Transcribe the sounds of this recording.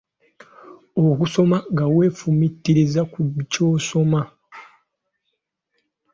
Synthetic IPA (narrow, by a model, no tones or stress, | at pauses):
okuso̞maŋɡawe̞ːfumitːiɾizakucoːso̞ma